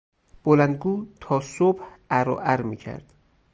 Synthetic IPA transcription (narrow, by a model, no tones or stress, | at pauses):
b̥olænd̪̚ɡuːt̪ʰɒːsobh | æɾo̰ʔæɾmiːcʰæ̰ɾd̪̥